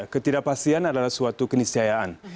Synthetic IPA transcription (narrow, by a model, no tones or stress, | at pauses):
kət̪idapasianadalahsuat̪ukənisiajaan